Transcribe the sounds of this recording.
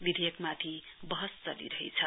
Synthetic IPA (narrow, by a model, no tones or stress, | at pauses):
bid̪ʱejekmat̪ʰi | bʌɦʌst͡sʌlḭɾʌɦḭt͡sʰʌ